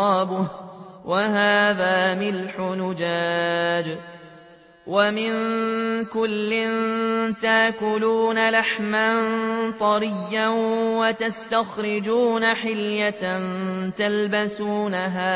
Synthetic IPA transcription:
ɑːbʊwʔaɦaːðaːmɪlħʊnʊd͡ʒaːd͡ʒ | wamɪnkʊlːɪnt̪aʔkʊluːnalaħmant̪ˤɑɾɪjːawat̪ast̪axɾɪd͡ʒuːnaħɪljant̪albasuːnaɦaː

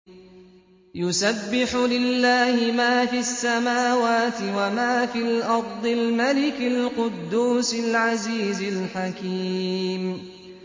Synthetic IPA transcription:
jʊsabːɪħʊlɪlːaːhɪmaːfiasːamaːwaːt̪ɪwamaːfiːlʔɑɾˤd̪ˤɨlmalɪkɪlqʊd̪ːuːsɪlʕaziːzɪlħakiːm

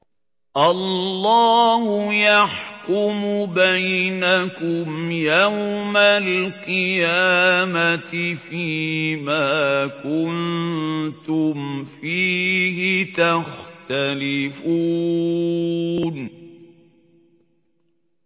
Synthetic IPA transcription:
ʔɑlːɑːhʊjaħkʊmʊbajnakʊmjawmallqɨjaːmat̪ɪfiːmaːkʊn | t̪ʊmfiːɦɪt̪axt̪alɪfu | n

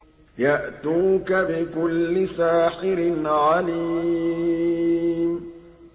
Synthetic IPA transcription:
jaʔt̪uːkabɪkʊlːɪsaːħɪɾɪnʕaliː | m

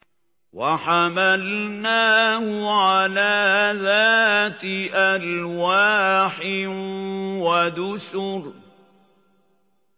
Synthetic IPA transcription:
waħamalnaːhʊʕalaːðaːt̪ʔalwaːħɪ | wad̪ʊsʊɾ

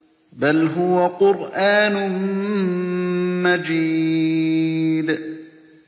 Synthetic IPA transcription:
balɦʊwaqʊɾʔaːnʊ | mad͡ʒiː | d

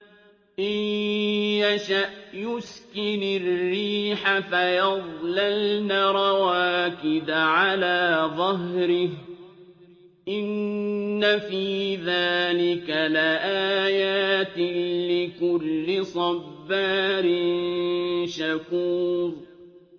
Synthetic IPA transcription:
ʔɪjjaʃaʔjʊskɪnarrːiːħafajɑðˤlalnaɾˤɑwaːkɪd̪aʕalaːðˤɑɦɾɪh | ʔɪnː | afiːðaːlɪkalaʔaːjaːt̪ɪlɪkʊlːɪsˤɑfːaːɾɪnʃakuːðˤ

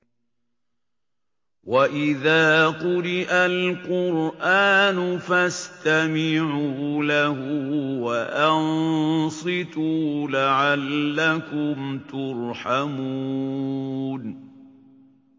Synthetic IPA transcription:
waʔɪðaːqʊɾɪʔalqʊɾʔaːnʊfast̪amɪʕuːlahuːwaʔɑnsˤɨt̪uːlaʕalːakʊmt̪ʊɾħamu | n

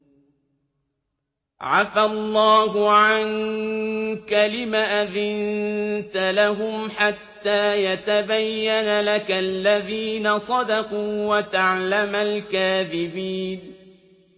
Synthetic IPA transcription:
ʕafalˤːɑːhʊʕan | kalɪmaːʔaðɪnt̪alaɦʊmħat̪ːaːjat̪abajːanalakalːaðiːnasˤɑd̪ɑquːwat̪aʕlamalkaːðɪbiːn

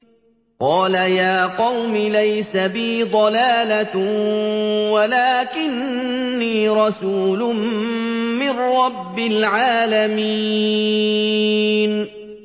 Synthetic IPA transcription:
qɑːlajaːqɑwmɪlajsabiːd̪ˤɑlaːla | walaːkɪnːiːɾˤɑsuːlʊm | mɪnɾɑbːɪlʕaːlami | n

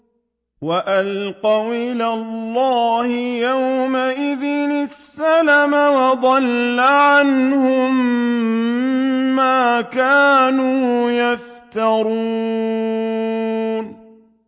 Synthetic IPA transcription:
waʔalqɑwʔɪlaːlˤːɑːhɪjawmaʔɪðɪnɪsːalamawɑd̪ˤɑlːaʕanhʊm | aːkaːnuːjaft̪ɑɾˤuː | n

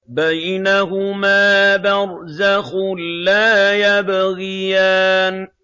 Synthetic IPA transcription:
bajnaɦʊmaːbaɾ | zaxʊlaːjabɣɪjaːn

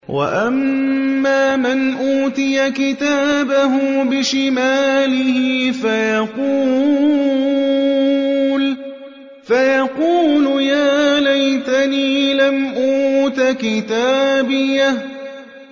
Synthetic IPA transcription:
wʔa̰ʔamːaːmanʔuːt̪ɪjakɪt̪aːbaɦʊbɪʃɪmaːlɪhɪfajɑquː | l | fajɑquːlʊjaːlajt̪aniːlamʔuːt̪akɪt̪aːbɪja

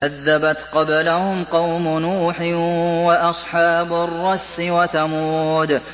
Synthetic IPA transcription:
ʔaðːabat̪qɑblahʊmqɑwmʊnuːħɪwaʔɑsˤħɑːbarːɑsːɪwat̪amuːd̪

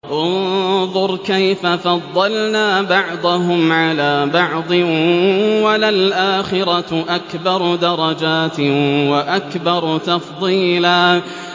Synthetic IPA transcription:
ʔʊnðˤʊɾˤkajfafɑðˤːɑlnaːbɑʕd̪ˤʊɦʊmʕalaːbɑʕd̪ˤɨ | walalʔaːxɪɾɑʔakbɑɾˤd̪ɑɾˤɑd͡ʒaːt̪waʔakbɑɾˤt̪ɑfðˤiːlaː

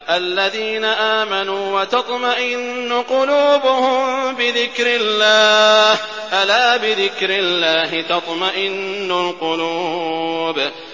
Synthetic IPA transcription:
ʔalːaðiːnaʔaːmanuːwɑt̪ɑt̪ˤmaʔɪnːʊqʊluːbʊhʊmbɪðɪkɾɪlːaːh | ʔalaːbɪðɪkɾɪlːaːɦɪt̪ɑt̪ˤmaʔɪnːʊlqʊluːb

